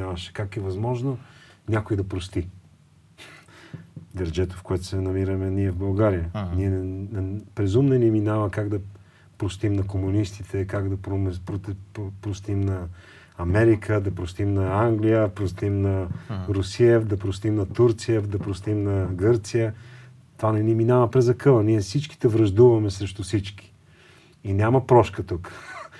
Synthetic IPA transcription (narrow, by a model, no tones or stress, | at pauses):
avɐʃɛ̥kakɛvɐzmɔʒnonʲakojd̪ɐpɾost̪i | d̪ɛɾd͡ʒɛt̪ʊ̥fkoɛt̪ʊ̥sɛnɐmiɾəmɛniɛvbɐlˠɡaɾijəniɛ | pɾɛzumnɛniminavəkaɡd̪ɐ | pɾost̪imnɐkomunist̪it̪ʰɛkaɡd̪ɐpɾompɾopɾost̪imnɐ | ɐmɛɾikʰəd̪ɐpɾost̪imnɐaŋɡlijəpɾost̪imnɐɾusiɛd̪ɐpɾost̪imnɐt̪uɾt̪sijəd̪ɐpɾost̪imnɐɡɤɾt̪sijə | t̪ovanɛniminavəpɾɛzɐkɤlˠəniɛsit͡ʃki̥t̪ɛvɾɐʒd̪uvɐmɛsɾɛʃt̪usit͡ʃki̥ː | nʲaməpɾɔʃkət̪uk